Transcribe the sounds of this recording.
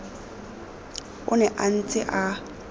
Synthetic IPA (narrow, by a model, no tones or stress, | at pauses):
ʊnɛʔan̩t͡sʼɪʔa